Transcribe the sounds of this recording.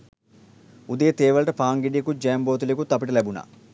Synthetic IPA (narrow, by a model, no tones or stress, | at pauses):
ud̪ejɐt̪eːʋɐlʈɐpaːŋɡiɖikud͡ʒeːmboːt̪ulikut̪ɐpiʈɐlebunɐ̰